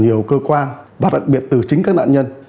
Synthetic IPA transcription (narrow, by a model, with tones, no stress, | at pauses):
ɲi˨˩əwkəː˧kwaː˧nvaː˨˩ɗa̰˨˩k̚ɓi˨˩ət̚t̪ɨ˨˩t͡ɕï˨˦ŋ̟kaː˦˥k̚na̰ː˧˨nɲə˧n